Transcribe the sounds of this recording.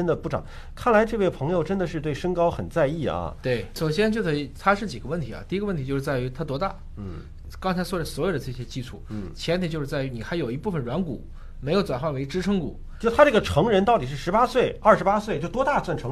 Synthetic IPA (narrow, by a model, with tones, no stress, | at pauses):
ə˥nd̪ə˨pu˥˩ʈ͡ʂɑ̰˨˩˦ŋ | kʰa˥˩nla˧˥ɪʈ͡ʂɤ˥˧we˥˩ɪpʰɤ˧˥ŋjo˧ʊʈ͡ʂə˥nd̪ə˨ʂɻ̩˥˧t̪we˥˩ɪʂə˥ŋkɑ˥ʊxə˨˩nt͡sa˥˧ɪi˥˩ɐ̰˩t̪we˥˩ɪʂo˨˩ʊɕ̬jɛ˥nt͡ɕjo˥˧ʊkʰɤ˧˥i˨˩t̪ʰa˥ʂɻ̩˥˩t͡ɕi˨˩ɡə˦wə˥˩nt̪ʰi˧˥ɐ̰˩t̪i˥˩˧ə˧wə˥˩nt̪ʰi˧t͡ɕjo˥˧ʂɻ̩˥˧t͡sa˥˩ɪy˧˥t̪ʰa˥t̪wɔ˥t̪a̰˥˩ | kɑ˥ŋt͡sʰa˧˥ɪswɔ˥˩ʈ͡ʂə˩swɔ˧˥jo˨˩ʊd̪ə˦ʈ͡ʂɤ˥˩ɕjɛ˥t͡ɕi˥˧ʂʰu˥˩t͡ɕʰjɛ˧˥nt̪i˨˩t͡ɕjo˥˧ʂɻ̩˥˧t͡sa˥˩ɪy˧˥ni˨˩xa˧˥jo˨˩ʊi˧˥pu˥˩fə˩nɻwa˧˥nkṵ˨˩˦ | me˧˥ɪjo˨˩ʊt͡swa˨˩nxwa˥˩nwe˧˥i˧ʈ͡ʂɻ̩˥ʈ͡ʂʰɤ˥ŋkṵ˨˩˦t̪ʰa˥ʈ͡ʂɤ˥˩ɡə˩ʈ͡ʂʰɤ˧˥ŋɻə˧˥nt̪ɑ˥˩t̪i˩ʂɻ̩˥˩ʂɻ̩˧˥pa˥swe˥˩ɪɐ˞˥˩ʂɻ̩˧˥pa˥swe˥˩ɪt͡ɕjo˥˩ʊt̪wɔ˥t̪a˥˩swa˥˩nʈ͡ʂʰɤ˧˥ŋ